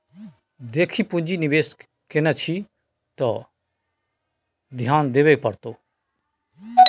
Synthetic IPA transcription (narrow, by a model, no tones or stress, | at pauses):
d̪eːkʰiːpʊ̃nd͡ʒinɪʋeːs | kɪnɛt͡ʃʰi | t̪ɔ | d̪ʱjaːnd̪eːʋeːpəɾt̪oː